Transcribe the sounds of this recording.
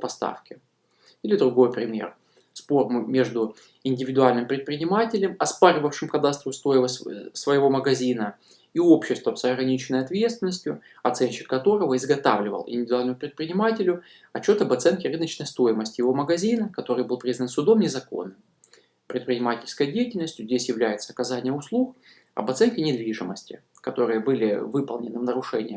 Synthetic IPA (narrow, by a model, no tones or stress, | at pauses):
pɐst̪a̰fkʲɪ | ilʲɪd̪ɾʊɡo̞jpɾʲɪmʲḛr | spo̞rmʊmʲe̞ʐd̪ʊ | ɪnʲdʲɪvʲɪd̪ʊalʲnɨmpɾʲɪt̪̚pɾʲɪnʲɪmatʲɪlʲɪmɐspaɾʲɪvəfʂɨmkɐd̪ast̪ɾʊst̪o̞jɪəsʲsvəjɪvo̞məɡɐzʲinə | io̞pɕːɪst̪vəmsɐɡɾɐnʲit͡ɕɪnːəjɐt̪vʲe̞t̪st̪vʲɪnːəsʲtʲjʊ | ɐt̪sɛnʲɕɪ̥kːɐt̪o̞ɾəvəɪzɡɐt̪a̰vlʲɪvə̰lˠʔɪ̰nʲɪvʲɪd̪ʊalʲnəmʊpɾʲɪt̪̚pɾʲɪnʲɪmatʲɪlʲʊ | ɐt͡ɕːo̞t̪ɐbɐt̪sɛnkʲɪrɨnət͡ɕnəjst̪o̞jɪməsʲtʲjɪvo̞məɡɐzʲinəkɐt̪o̞ɾɨjbɨlˠpɾʲiznənsʊd̪o̞mnʲɪzɐko̰nːɨm | pɾʲɪt̪pɾʲɪnʲɪmatʲɪlʲskəjədʲejɪtʲɪlʲnəsʲtʲjʊzʲdʲesʲjɪvlʲæjɪt̪səɐkɐzanʲɪjəʊslˠux | ɐ̰bɐt̪sɛnkʲɪnʲɪd̪vʲiʐɨməsʲtʲɪ̰ | kɐt̪o̞ɾɨjəbɨlʲɪ̰vɨpəlˠnʲɪnɨvnəɾʊʂɛnʲɪ̰jə